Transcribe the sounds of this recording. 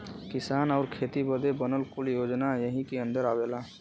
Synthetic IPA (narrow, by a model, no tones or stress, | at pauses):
kɪsaːnaʊɾkʰeːt̪ibəd̪ebənəlkuljoːd͡ʒnajəɦikeə̃nd̪əɾabela